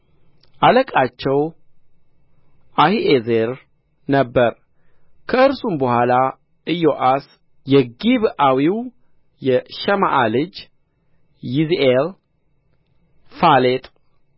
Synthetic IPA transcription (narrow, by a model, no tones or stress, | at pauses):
ʔaləkʼat͡ʃːɛw | ʔahiʔezeɾ | nəbːəɾ | kʰəɨɾsumbəhʷala | ʔɨjoʔas | jɛɡiβawiw | jɛʃɛma̰ʔalɨd͡ʒ | jizʔel | falet̪ʼ